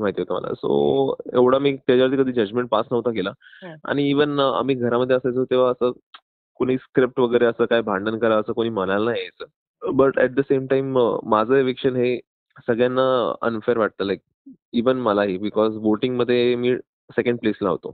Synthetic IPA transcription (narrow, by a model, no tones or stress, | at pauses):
maɦit̪iɦot̪əmə̰la̰so̰eʋɽ̤amiːt̪ad͡ʑaʋaɾt̪̬iːkəd̪ʱiːd͡ʑəd͡ʑmẽɳʈ̚pasnəʋt̪akelaa̰ɽ̃iːʋəna̰m̤iːɡʱəɾaməd̪ʱːjeəsajt͡sət̪eʋ̤aəsə | koɽ̤̃iːskɾip̚ʈʋəɡəjɾeəsəːkajbʱãɳɖənkəɾaəsəːkoɽ̃iːmənalənaɦjet͡sə | bəʈɛʈ̚d̪əsemʈaimːad͡zʱəeʋekʂənɦe | səɡɭjanːaə̰nfeɾʋaʈ̚t̪əːlajk̚ | iʋənməlaɦiːbikɔzboʈiŋɡməd̪ʱːjemiː | sekə̃ɳɖ̚pleslaɦo̰t̪o̰